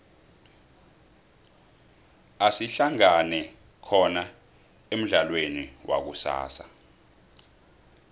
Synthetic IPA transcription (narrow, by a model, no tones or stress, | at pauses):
asiɬaŋanɛ | kʰɔna | em̩ɮalweniwʔa̰k̬usa̰ːsa